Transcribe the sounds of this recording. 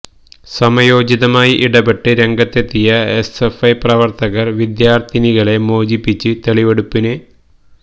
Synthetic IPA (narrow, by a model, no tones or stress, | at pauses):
sɐmɐjo̞ːd͡ʑiðɐmaːjiʔiɽɐbeʈːɨɾe̞ŋɡɐt̪ːe̞t̪ːijɐesefɐjprɐʋɐrt̪ɐɣɐrʋid̪jaːrt̪ʰiniɣɐɭe̞mo̞ːd͡ʑipːit͡ɕːɨt̪eɭiʋeɽupːinɨ